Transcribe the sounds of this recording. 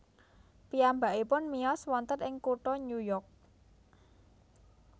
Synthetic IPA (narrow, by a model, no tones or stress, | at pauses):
piambaʔipʊnmiɔswɔnt̪ət̪ʔɪŋkuʈɔɲujɔk̚